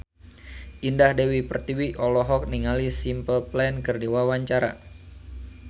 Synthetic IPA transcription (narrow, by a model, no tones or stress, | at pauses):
ʔindahdɛwipərt̪iwiʔɔlɔɦɔk̚niŋalisimpəlplɛnkɨrdiwawaɲt͡ʃaɾa̰